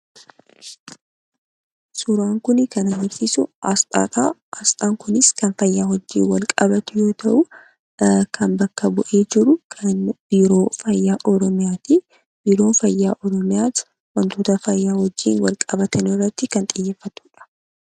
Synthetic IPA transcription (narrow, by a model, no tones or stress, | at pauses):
sʊɾaːŋkʊnɪkɐnɐɡɪɾsɪsʊɐsʼa̰ːt̪ʼaɐst̪ʼaːŋkʊnɪskɐnfɐjːaːhɔd͡ʒːḭːnwɐlkʼɐbɐt̪ʊjo̞ːt̪ɐʔʊ | kʰɐnbɐkːɐbʊʔeːd͡ʒɪɾʊkʰɐnb̥iːɾoːfɐjːaːʔɔɾɔmɪjaːt̪i | b̥iːɾoːfɐjːaːʔɔɾɔmɪjaːs | wɐnt̪oːt̪ɐfɐjːaːhɔd͡ʒːḭːnwɐlkʼɐbɐt̪ɐnɪrːɐt̪ːɪkɐnt̪ʼɪjːeːfːɐt̪u̥ːᶑɐ̥